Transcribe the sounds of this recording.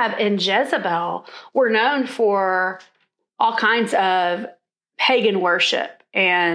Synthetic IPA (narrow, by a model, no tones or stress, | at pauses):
bɪ̃nd͡ʒɛzəbɛlˠwə˞nõʊ̃nfə˞ | ʔɔlˠkʰãɪ̃ndzʌv̥ | pʰeɪɡɨ̃nwɜ˞ʃɪ̰p̚ʔɨ̃